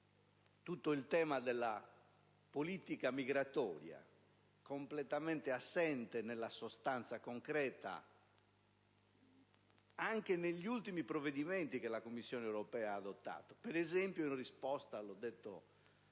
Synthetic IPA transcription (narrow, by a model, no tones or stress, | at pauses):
t̪ut̪ːoilt̪ɛːmad̪elːa̰ | polit̪ikamiɣɾat̪ɔ̰ːɾja̰ | komplɛt̪amɛnt̪easːɛnt̪enelːasost̪ant̪sakoŋkɾɛːt̪a̰ | aŋkeneʎːiult̪imipɾovːeðiment̪ik̟elakomːisːjɔːnewɾopɛːaaːd̪ot̪ːa̰ːt̪o̥peɾɛzɛmpjoinrispɔst̪alɔd̪ːet̪ːo̰